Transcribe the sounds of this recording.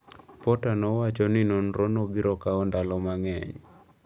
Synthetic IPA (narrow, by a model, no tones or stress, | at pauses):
pɔtanɔwat͡ʃɔnɪnonɾonobiɾɔkaɔndalɔmaŋɛ̰ɲ